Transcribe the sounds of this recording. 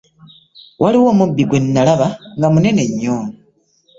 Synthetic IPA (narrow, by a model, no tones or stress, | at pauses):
wʔaliwomubiɡwe̞nːalaβaŋɡamune̞ne̞ɲːoːno